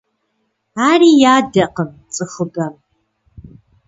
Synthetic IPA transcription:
aːrijaːdɐqəmt͡sʼɨχɨbɐm

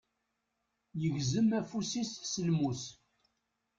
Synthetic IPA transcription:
jəʝzəmæfusissənmus

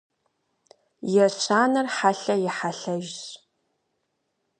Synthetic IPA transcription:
jɛɕʰʷaːnɨrħaɬɐjɪħaɬɐʒɕ

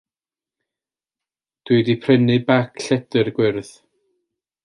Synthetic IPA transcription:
d̥wudipʰrɛnɨbakʰɬɛdɨrɡwɪrθ

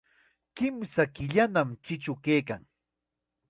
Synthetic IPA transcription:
kɪmsakɪʎanamt͡ʃɪt͡ʃʊkejkaŋ

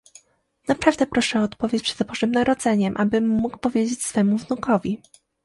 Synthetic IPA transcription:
napɾavd̪ɛpɾɔʂɛɔːt̪pɔvʲjet͡ɕpʂɛd̪bɔʐɘmnaɾɔd̪zɛɲɛmʔabɘmːukpɔvʲjed͡ʑet͡ɕsfɛmuvnukɔvʲi

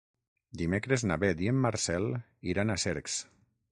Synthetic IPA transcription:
d̪imekɾeznaβed̪iemːaɾsɛl | iɾanaseɾks

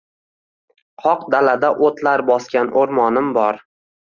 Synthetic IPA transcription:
qʰɒqd̪alad̪aʔot̪laɾbɒskʲanʔoɾmɒnɪmbɒɾ

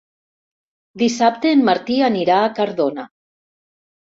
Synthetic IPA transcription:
d̪isap̚t̪eːmːaɾt̪ianiɾaːkaɾðona

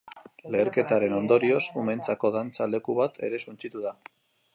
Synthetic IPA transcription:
le̞ːɾke̞t̪aɾe̞no̞nd̪o̞ɾio̞sument͡sako̞ðant͡sale̞kuβat̪ʰe̞̰ɾe̞sunt͡sit̪uða

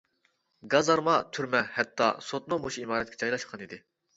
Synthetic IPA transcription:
ɡɑzɑɾmɑt̪ʰyɾmɛhɛt̪ʰːɑ̰sot̪̚nuboʃimɑːɾɛt̪̚ʲkʲʰɛ̥t͡ʃʰɑjlˠɑʃqʰɑnid̪ɪ

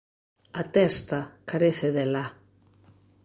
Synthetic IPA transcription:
at̪ɛst̪akaɾeθeðela

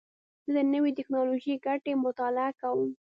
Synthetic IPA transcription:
z̥əd̪ənəwit̪ɪknɑloʒiɡaʈemʊt̪ɑlɪakawəm

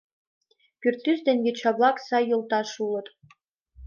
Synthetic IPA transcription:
kʲyrt̪ːysd̪enʲɡʲet͡ɕɑβlˠɑksɑjːŏlˠt̪ɑʃulˠɤ̆t̪

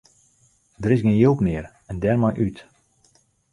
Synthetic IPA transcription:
dəɾɪsɡɪnjølˠpnɪər | ɛndɛrmɔjʔyt

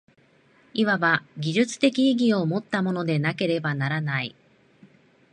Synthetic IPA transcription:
iβaβaɡʲiʑɨt͡sɨ̥t̪e̞kʲiːɡʲio̞mo̞t̪ːamo̞no̞d̪e̞nake̞ɾe̞banaɾanaḭ

